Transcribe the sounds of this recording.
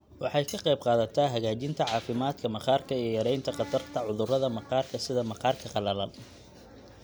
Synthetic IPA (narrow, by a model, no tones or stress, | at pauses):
wɑħɑjkʰɐqɛjbqɑːðɐt̪ʰaɦɐɣaːt͡ʃɪnt̪ʰɐʕɑːfɪmaːd̪kʰɐmɐqɑːrkʰɐijjɐɾɛjnt̪ʰɐqɑt̪ʰɐrt̪ʰɐʕʊðʊrɐðɐmɐqɑːrkʰɐsɪðɐmɐqɑːrkʰɐqɑlɐlɐl